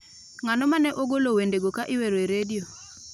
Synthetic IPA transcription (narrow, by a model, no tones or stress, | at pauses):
ŋanɔmanɛʔoɡolowendeɡokaʔɪweɾoeɾedio